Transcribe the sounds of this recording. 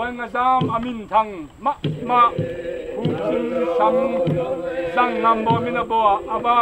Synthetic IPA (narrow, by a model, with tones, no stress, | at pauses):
ɔ˨˦jŋa˨zaː˦mɐ˧mi˨nt̪ʰa˧ŋma˦ʔma˦ʔku˦t͡si˦ŋsa˧˨ŋ | za˨ŋla˧˨mbɔ˧˨mi˦na˧bɔ˧˨a˨ʔa˨ba˦